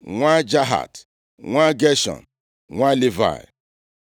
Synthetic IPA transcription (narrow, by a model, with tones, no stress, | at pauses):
ŋʷa˦d͡ʒa˦ɦa̰˨t | ŋʷa˦ɡe˦ʃɔ̰̃˨n˨ | ŋʷa˦li˦va̰˨